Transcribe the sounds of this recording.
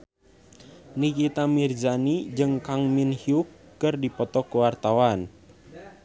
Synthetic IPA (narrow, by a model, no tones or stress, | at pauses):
nikit̪amird͡ʒanid͡ʒɨŋkaŋminhiukːɨrdipɔt̪ɔkuwart̪awan